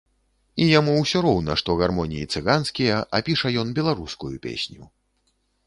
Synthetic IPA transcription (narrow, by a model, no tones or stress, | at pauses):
ijamuwsʲɔɾɔwnɐʂt̪ɔɣarmɔnʲijːt̪sɨɣanskʲijɐʔapʲiʂɐjɔnbʲɛlˠaɾuskujupʲḛsʲnʲu